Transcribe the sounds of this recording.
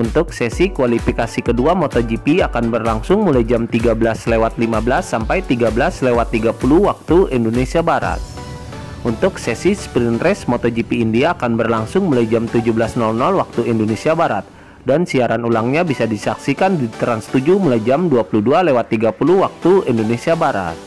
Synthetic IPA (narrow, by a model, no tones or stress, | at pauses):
unt̪ʊksɛsikuwalifikasikəduamɔt̪ɔd͡ʒipiakanbərlaŋsʊŋmulajd͡ʒamt̪iɡabəlaslewat̪̚limabəlasːampajt̪iɡabəlaslewat̪ːiɡapuluwak̚t̪uindonesiabaɾa̰t̪̚ | ʔunt̪ʊksɛsispɾint̪ɾɛsmɔt̪ɔd͡ʒipiːndiaːkanbərlaŋsʊŋmulajd͡ʒamt̪ud͡ʒubəlasnɔlnɔlwak̚t̪uindonesiabaɾat̪̚ | dansiaɾanulaŋɲabisadisaksikandit̪ɾanst̪ud͡ʒumulajd͡ʒamduapuludualewat̪ːiɡapuluwak̚t̪uindonesiabaɾa̰t̪̚